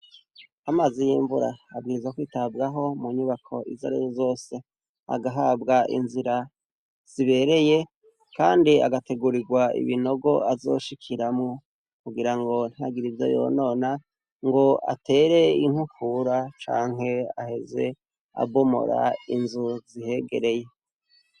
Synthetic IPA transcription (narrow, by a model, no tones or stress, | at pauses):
amazijiɱvuɾa̰ːbɡiːɾizwakwiːtabɡaɦo̞muɲuβakʰo̞̰ʔizaɾezozo̞ːse̞ | a̰ɡaɦabɡaʔḭnziɾa | z̥iβe̞ɾe̞je̞ | kaːndia̰ɡate̞ɡuɾiɡwaḭβino̞ɡo̞ʔazo̞̰ːʃikʰiɾamŋo | kuɡiɾaŋɡo̞n̥haɡiɾivja̰jo̰no̞ːna | ŋɡo̞a̰tʰe̞ːɾe̞iŋ̥hukʰuɾat͡ʃa̰ːŋ̥ɦe̞a̰he̞ze̞̰ | a̰bo̞mo̞̰ɾa̰inzuzihe̞ɡe̞̰ɾe̞je̞